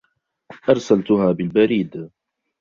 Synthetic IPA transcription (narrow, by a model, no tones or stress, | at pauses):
ʔɑɾˤsalt̪ʊɦaːbɪlbaɾiːd̪